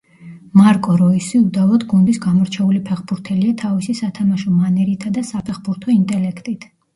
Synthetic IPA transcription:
maɾkʼɔɾɔisiud̪alˠɔt̪ɡund̪isɡamɔɾt͡ʃʰɛulipʰɛχbuɾt̪ʰɛliat̪ʰavisisat̪ʰamaʃɔmanɛɾit̪ʰad̪asapʰɛχbuɾt̪ʰɔint̪ʼɛlɛkʰt̪ʼit̪ʰ

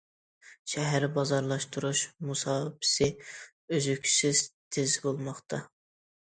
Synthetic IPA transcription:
ʃɛɦæɾbɑzɑɾlˠɑʃt̪ʰuɾuʃmusɑːbɪ̥sɪ | øzykʲʰsɪz̥t̪ʰɪzɪbolˠmɑχt̪ʰɑ

